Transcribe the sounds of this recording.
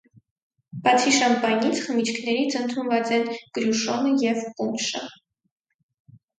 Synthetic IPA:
bɑt͡sʰiʃɑnpɑjnit͡sʰχəmit͡ʃʰkʰnɛɾit͡sʰənt̪ʰunvɑt͡sɛnɡ̥ɾjuʃɔnəjɛvkunʃə

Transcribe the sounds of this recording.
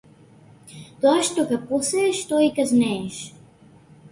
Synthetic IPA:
t̪oaʃt̪okaposɛːʃt̪ɔikaznɛːʃ

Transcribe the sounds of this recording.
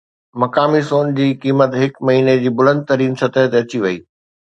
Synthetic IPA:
mɐkaːmisoːnd͡ʑiːkiːmət̪ɦɪkmɐɦiːned͡ʑiːbʊlə̃nd̪̚t̪ɐɾiːnsɐt̪əɦt̪eɐt͡ɕiʋɐiː

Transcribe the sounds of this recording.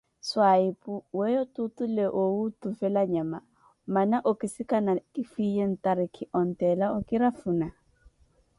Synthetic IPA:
swaipʼuwɛjɔtutuleʔoutufɛlaɲama | manaʔokʼɪsɪkʼanakifijen̩taɾɪkʰɪʔɔn̩tɛlaɔkʼɪɾafuna

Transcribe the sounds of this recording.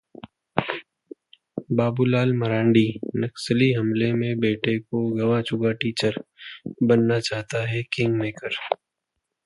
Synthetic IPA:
baːbulaːlmɐɾãːɳɖiːnɐksəliɦɐmlemẽbeːʈekoɡɐʋãt͡ʃʊɡaʈiːt͡ʃəɾbɐnːat͡ʃaːɦt̪aɦɛkɪ̃ŋɡmeːkəɾ

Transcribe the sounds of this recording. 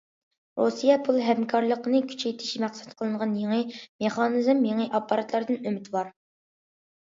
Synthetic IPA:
ɾosijɛpʰulˠɦɛmkʰɑɾlˠəqənɨkʲʰy̥t͡ʃʰɛjt̪ʰɪʃmæχsɛ̥t̪qʰəlˠɨɴʁɑnjeŋəmeχɑnɨzmjeŋəʔɑpːɑɾɑt̪ʰlˠɑɾd̪ɨnømɪt̪ʰbɑɾ

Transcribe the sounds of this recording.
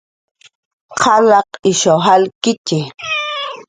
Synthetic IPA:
qʰɑlɑqɪʃoɦalkɪt͡ʃɪ

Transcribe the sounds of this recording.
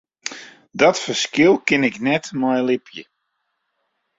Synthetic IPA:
dɔtfəskɪlˠkɪnɪknɛtmɔjlɪpʰjə

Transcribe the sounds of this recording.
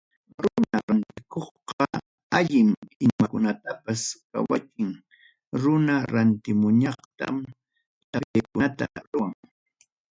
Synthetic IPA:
ɾʊnaɾant̪ɪkoχqɑ | aʎɪmɪʎmakʊnat̪apaska̰wakɪŋ | ɾʊnaɾant̪ɪmʊɲɑχt̪a̰m | t̪apeːkʊnat̪a̰ɾʊwaŋ

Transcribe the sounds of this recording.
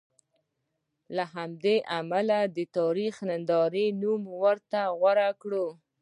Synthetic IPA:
laɦamd̪eʔamalad̪ət̪ɑɾixnand̪ɑɾenumwəɾt̪aɣwaɾakɽo

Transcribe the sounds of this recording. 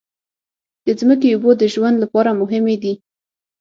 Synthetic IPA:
d̪̥əzmək̬eubod̪əʒwand̪lapɑɾamʊɦɪmed̪i

